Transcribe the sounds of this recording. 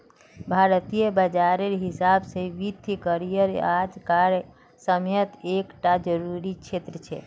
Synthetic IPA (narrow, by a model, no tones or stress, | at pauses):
bʱaɾt̪ijəbəd͡ʒaɾeɾɦisabseʋit̪ʰkəɾijəɾad͡ʒkaɾ | səmjət̪ekʈad͡ʒəɾuɾit͡ʃʰet̪ɾət͡ʃʰḛ